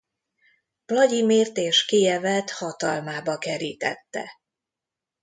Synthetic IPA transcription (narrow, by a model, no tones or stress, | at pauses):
plɒɟimeːrt̪eːʃkijɛvɛt̪hɒt̪ɒlmaːbɒkɛɾiːt̪ɛ̰t̪ːɛ̰